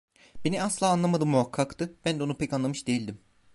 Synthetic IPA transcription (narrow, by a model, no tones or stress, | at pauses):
b̥eniaslˠaːnlˠamad̪ɯmːuɦakʰːakt̪ɯb̥ænd̪ɛonupʰɛcanlˠamɯʃd̪e̞jilʲd̪im